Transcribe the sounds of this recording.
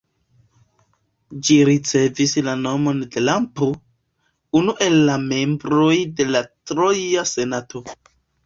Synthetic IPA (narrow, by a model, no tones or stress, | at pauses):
d͡ʒiɾit͡se̞vislano̞mo̞nde̞lampo | unuʔe̞lːame̞mbɾo̞jde̞latɾo̞jase̞nato̞